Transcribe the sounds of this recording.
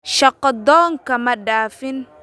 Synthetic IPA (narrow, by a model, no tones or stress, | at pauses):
ʃɐqːɔd̪ɔːŋkɐmɐɖaːfɪn